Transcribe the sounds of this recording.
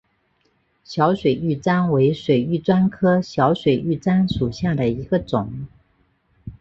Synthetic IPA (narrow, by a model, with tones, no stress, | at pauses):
ɕjɑ˧˥ʊʂwe˨˩ɪy˥˩t͡sa˥nwe˧˥ɪʂwe˨˩ɪy˥˩t͡swa˥nkʰɤ˥ɕjɑ˧˥ʊʂwe˨˩ɪy˥˩t͡sa˥nʂu˨˩ɕja˥˩d̪ə˩i˧˥ɡə˧ʈ͡ʂʊ˨˩˦ŋ